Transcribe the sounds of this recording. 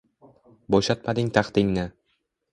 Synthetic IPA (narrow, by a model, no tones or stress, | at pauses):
boʃat̪̚mad̪ɪŋt̪ʰaχt̪ɪŋnɪ